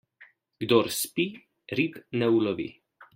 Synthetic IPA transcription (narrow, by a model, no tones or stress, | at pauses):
ɡ̥d̪ɔɾspi | ɾipnɛulɔʋḭ